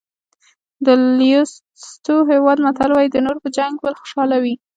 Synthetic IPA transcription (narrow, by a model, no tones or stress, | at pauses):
d̪əljos | st̪oɦewɑd̪mat̪alwɑjd̪ənoɾpəd͡ʒaŋɡbəlxʊ̥ʃɑlawi